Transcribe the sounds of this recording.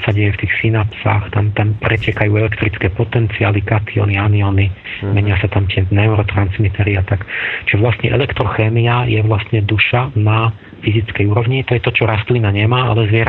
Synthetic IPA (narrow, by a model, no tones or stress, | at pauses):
saɟɛjɛft̪iːxsinapsa̰xt̪amt̪ampɾɛcɛkajuːɛlɛkt̪ɾit͡skɛːpɔt̪ɛnt͡sia̰ːlikat̪iɔ̰nianiɔni | mɛɲɪasat̪amt̪ɪɛnɛuɾɔt̪ɾanzmit̪ɛɾiat̪akt͡ʃɔʋlast̪ɲɛʔɛ̰lɛkt̪ɾɔxɛːmiajɛʋlast̪ɲɛd̪uʃana | fizit͡skɛjuːɾɔʋɲit̪ɔjɛt̪ɔt͡ʃɔɾast̪linaɲɛmaːa̰lɛzʋɪɛɾ